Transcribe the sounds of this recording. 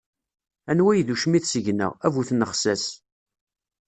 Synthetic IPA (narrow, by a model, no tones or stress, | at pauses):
ænwæjðuʃmiθsəʝnə̰ʁævuθnəχsæs